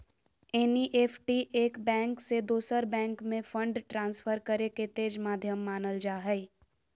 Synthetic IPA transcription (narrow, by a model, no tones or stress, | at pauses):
eːniʔeːpʰʈiʔeːkbɛ̃ːŋksed̪oːsəɾbɛ̃ːŋkmẽfʰə̃ɳɖʈɾãːnsfʰəɾkəɾeket̪eːd͡ʒmaːd̪ʱjəmːaːnəld͡ʒaːɦɛ